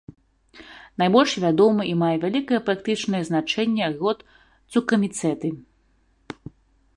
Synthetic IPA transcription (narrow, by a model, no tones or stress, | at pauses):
najbɔlʲʂvʲad̪ɔmɐʔimajɛvʲalʲikɐjɛpɾakt̪ɨt͡ʂnɐjɐznat͡ʂɛnʲːɛɣɔt̪ | ukɐmʲit̪sɛt̪ɨ